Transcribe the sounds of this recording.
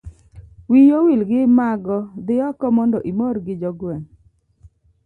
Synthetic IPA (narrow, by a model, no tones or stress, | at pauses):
wijowilɡɪmaɡɔd̪ɪɔkɔmɔndɔʔimoɾɡɪd͡ʒɔɡwɛŋ